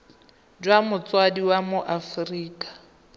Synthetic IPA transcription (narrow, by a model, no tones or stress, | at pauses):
d͡ʒwamʊt͡sʼwadiwamʊʔafriːkʼḁ